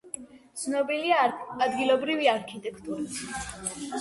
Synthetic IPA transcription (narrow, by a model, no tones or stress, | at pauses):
t̪sʰnɔbiliaːd̪ɡilˠɔbɾiviaɾkʰit̪ʼɛkʰt̪ʼuɾi